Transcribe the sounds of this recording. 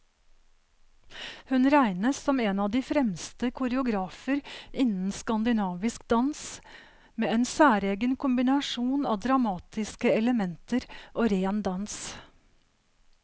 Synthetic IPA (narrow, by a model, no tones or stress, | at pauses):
hʉnɾæɪnəssɔmeːnɑːd̪iːfɾɛmst̪əkʰʊɾəʊɡɾɑːfəɾʔɪnn̩skɑnd̪ɪnɑːʋɪskd̪ɑns | meːeːnsæːɾeːɡənkʰʊmbɪnɑʂuːnɑ̰ːd̪ɾɑmɑːt̪ɪskəɛləmɛnt̪əɾʔoːɾeːnd̪ɑns